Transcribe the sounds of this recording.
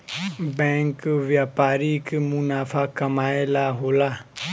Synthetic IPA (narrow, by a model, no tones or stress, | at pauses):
bɛ̃ːŋkʋjaːpaːɾikmʊnaːfʰaːkɐmaːelaːɦoːlaː